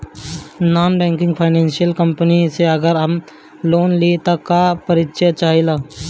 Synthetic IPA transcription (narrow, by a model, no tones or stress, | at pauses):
naːnbɛ̃ːŋkɪ̃ŋɡpʰaːɪnɛ̃ːnʃijəlkə̃mpəniseɐɡəɾɦɐm | loːnlit̪okapəɾɪtʃət͡ʃaːɦilaː